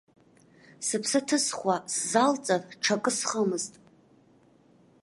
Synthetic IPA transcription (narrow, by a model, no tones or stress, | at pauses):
sɨpʰsɨtʰɨsχʷasːalt͡sʼarʈ͡ʂʰakʼɨsχəmɨztʼ